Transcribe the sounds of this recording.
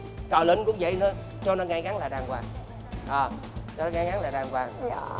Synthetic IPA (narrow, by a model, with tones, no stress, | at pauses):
t͡ɕəː˨˩lə˧˩˦ŋkʊ̰˧˥ŋ͡mvə̰˧˨jnɔ˨˦ | t͡ɕɔ˧nɔ˨˦ŋaː˧jɣa˨˦ŋlaː˨˩ɗaː˨˩ŋkwaː˨˩ŋ | ʔəː˨˩ | t͡ɕɔ˧nɔ˨˦ŋaː˧˦ɣa˨˦ŋlaː˨˩ɗaː˨˩ŋkwaː˨˩ŋ